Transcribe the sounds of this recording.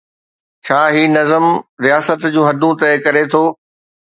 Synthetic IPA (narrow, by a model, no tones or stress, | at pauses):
t͡ɕʰaːɦiːnɐzəmɾijaːsət̪d͡ʑũːɦɐd̪ʱũt̪ɐɪkɐɾet̪ʰoː